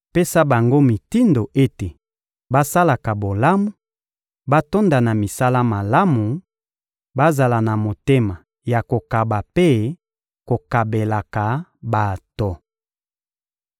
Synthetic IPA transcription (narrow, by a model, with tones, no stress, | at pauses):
pe˦sa˦ba˨ŋɡo˦mi˨ti˦ndo˨ʔe˦te˨ | ba˦sa˦la˨ka˨bo˨la˦mu˦ | ba˦to˦nda˨na˨mi˨sa˦la˦ma˨la˦mu˨ | ba˦za˨la˨na˨mo˨te˦ma˨ | ja˨ko˨ka˨ba˨pe˦ | ko˨ka˨be˨la˨ka˨ba˨tɔ˨